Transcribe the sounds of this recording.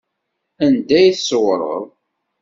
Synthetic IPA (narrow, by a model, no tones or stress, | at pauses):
ænd̪æjθəsəwɾˤə̰ðˤ